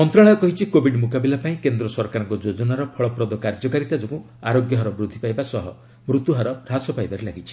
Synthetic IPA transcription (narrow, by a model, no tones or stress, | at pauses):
mɔnt̪ɾãɔjɔkɔɦit͡ʃʰikobʱiɖmukabilapaĩkend̪ɾɔsɔɾkaɾɔŋkɔd͡ʒod͡ʒɔnaɾɔpʰɔɭɔpɾɔd̪ɔkaɾd͡ʒɔkaɾit̪ad͡ʒɔkũ | aɾoɡjɔɦɔɾɔbɾud̪ʱːipajbasɔɦɔ | mɾut̪uɦaɾɔɾasɔpajbaɾelaɡit͡ʃʰi̥